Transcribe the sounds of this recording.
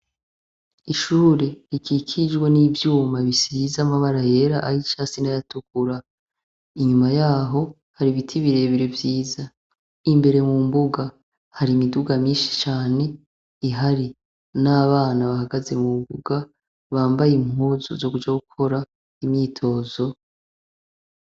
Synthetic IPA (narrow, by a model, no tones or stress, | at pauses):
iʃuːɾe̞ɾikʰikʰid͡ʒɡwe̞nivjuːmaβisiizamaβaɾaje̞ɾaʔait͡ʃaːsinajatukuɾa | iɲumajaːɦo̞ | haɾiβitʰiβiɾe̞βiɾevjiːza | imbe̞ɾe̞mumbuɡa | haɾimiduɡamiːnʃi̥t͡ʃaːne̞ | iɦaɾi | naβaːnaβahaɡaze̞mubuɡ̥a | βaːmbajimhuzuzo̞kud͡ʒaɡukʰo̞ɾa | imɲiːtʰo̞ːzo̞